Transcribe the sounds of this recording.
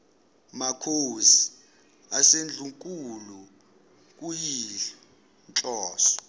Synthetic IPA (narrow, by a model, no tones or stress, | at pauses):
makʰosi̥ | asend͡ɮʱuŋkʼulu | k̬ʼujiɬɛ | nt͡ɬʼɔːsɔ̥